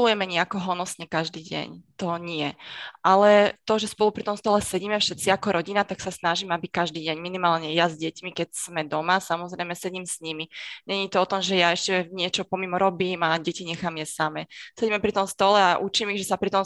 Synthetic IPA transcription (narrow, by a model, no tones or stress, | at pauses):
lujɛmɛɲɛakɔɦɔnɔsɲɛkaʒd̪iːɟɛ̰ɲt̪ɔɲɪɛʔalɛt̪ɔʒɛspɔlupɾit̪ɔmst̪ɔlɛsɛɟiːmɛfʃɛt̪t͡siakɔɾɔɟinat̪aksasnaʒiːmɛabikaʒd̪iːɟɛɲminimaːlɲɛjazɟɛcmikɛcsmɛd̪ɔmasamɔzɾɛjmɛsɛɟiːmsɲimiɲɛɲiːt̪ɔɔt̪ɔmʒɛjaɛʃcɛɲɪɛt͡ʃɔpɔmimɔɾɔbiːmaɟɛciɲɛxaːmjɛsamɛːsɛɟiːmɛpɾit̪ɔmst̪ɔlɛaʔut͡ʃimiɣʒɛsapɾit̪ɔm